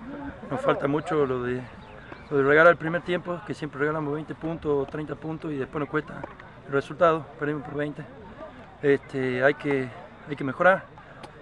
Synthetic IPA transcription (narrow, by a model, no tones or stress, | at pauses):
nosfalt̪amut͡ʃoloðe | loðereɣalaɾelpɾimeɾt̪je̞mpokesjempɾereɣalamoβejnt̪epunt̪ost̪ɾejnt̪apunt̪osiðehpwenokwest̪a̰ | elresult̪að̞opeɾðimohpoɾβejnt̪e | est̪ʰeajke | ajkemexoɾaɾ